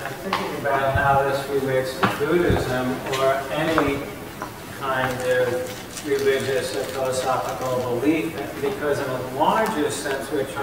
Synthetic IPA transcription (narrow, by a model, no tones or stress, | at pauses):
aɪθɪ̃ŋkɪ̃ŋɨbaʊt̚ɦaʊðɪsɹileɪtsbʉɾɨɪzə̃mə˞ɛni | kʰãɪ̃ndʌv | ɹɨlɪd͡ʒɨsɨfɪlˠəsɑfəkl̩ˠbəlifɨ̃tbɨkʰʌzɨ̃nəlɑɹd͡ʒɨssɛ̃nswɨt͡ʃʰ